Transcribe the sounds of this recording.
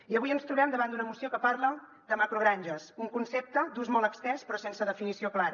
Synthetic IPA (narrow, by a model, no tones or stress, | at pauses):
iəβujənst̪ɾuβɛmd̪əβand̪unəmusiokəpaɾlə | d̪̥əmakɾuɣɾaɲʲʒəsuŋkunsep̚t̪əd̪uzmɔlˠəkst̪ɛnspɾɔsensəðəfinisioklaɾ